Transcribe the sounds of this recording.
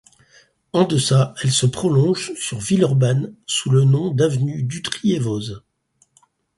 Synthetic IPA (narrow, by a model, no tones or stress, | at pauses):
ɑ̃d̪əsaɛlsəpχɔlɔ̃ʒsyʁvilɔʁbansulənɔ̃d̪avnyd̪yt̪χievoz